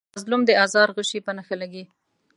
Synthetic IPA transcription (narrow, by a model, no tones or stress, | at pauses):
zlumd̪əɑzɑɾɣəʃipənaxalaɡi